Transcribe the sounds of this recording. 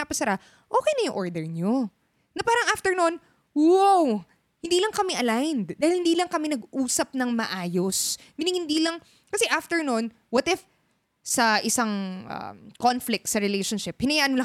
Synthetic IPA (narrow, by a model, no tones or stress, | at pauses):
apɐsɐɾa | ʔoːkɛjnɐjʊŋʔoɹd̪ɛɹɲo | nɐpaːɾɐŋʔaft̪ɛɹnon | waw | hɪ̃nd̪iːlɐŋkɐmɛʔɐlajnd̪d̪aːhɪlhɪnd̪iːlɐŋkɐmɛnɐɡʔuːsɐp̚nɐŋmɐʔaːjosmɪnɪŋhɪnd̪iːlɐŋ | kɐsɛʔaft̪ɛɹnon | wɐt̪ɪf | sɐʔɪsaŋʔɐ̰konflɪk̚t̪sɐɾɪlejʃonʃɪp̚hɪnɐjaːʔɐnmola